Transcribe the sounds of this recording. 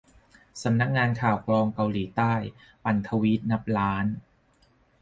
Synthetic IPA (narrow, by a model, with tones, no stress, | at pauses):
sa˩˦mna˦˥k̚ŋaː˧nkʰaː˨˩wklɔː˧ŋka˧wliː˩˦t̪aː˥˩j | pa˨˩nt̪ʰa˧wi˦˥t̪̚na˦˥p̚laː˦˥n